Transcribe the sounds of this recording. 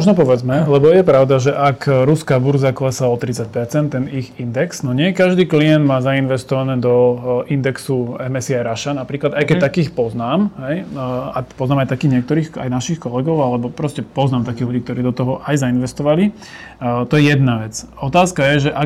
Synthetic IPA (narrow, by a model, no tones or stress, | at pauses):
mɔʒnɔpɔʋɛd͡zmɛlɛbɔjɛpɾaʊd̪aʒɛʔakɾuskaːbuɾzakɔlɛsaɔt̪ɾit͡sːac̚pɛɾt͡sɛnt̪ːɛniɣind̪ɛksnɔɲɪɛkaʒd̪iːkliɛnd̪maːzainʋɛst̪ɔʋanɛːd̪ɔʔind̪ɛksuɛmɛsiaɾaʃanapɾiːklad̪ajkɛt̪akiːxpɔznaːmɦɛjapɔznaːmajt̪akiːɣɲɛk̚t̪ɔɾiːxa̰jnaʃixkɔlɛɡɔʊalɛbɔpɾɔscɛpɔznaːmt̪akiːɣluɟiːk̚t̪ɔɾiːd̪ɔt̪ɔɦɔʔajzainʋɛst̪ɔʋali | t̪ɔjɛjɛd̪naʋɛt͡sɔt̪aːskajɛʒɛʔa